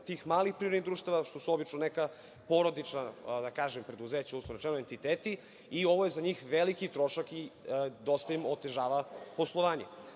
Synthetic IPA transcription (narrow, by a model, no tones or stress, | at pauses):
t̪iːxmaːlixpɾivɾed̪nid̪ɾuːʃt̪aʋaʃt̪o̞suobit͡ʃnoneka | poɾod̪it͡ʃnad̪akaːʒempɾe̞d̪uzeːt͡ɕauslˠonet͡ʃenoent̪it̪eːt̪i | io̞ʋojezaɲiːxʋelikit̪ɾo̞ʃakid̪ost̪aimot̪eʒaːʋapo̞slˠoʋaːɲḛ